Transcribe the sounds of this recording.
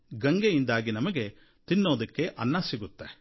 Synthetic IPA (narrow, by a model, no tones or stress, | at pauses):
ɡɐŋɡejind̪aːɡinɐmɐɡe̞ | t̪inːo̞ːd̪ɐkːe̞ʔɐnːɐsiɡut̪ːe̞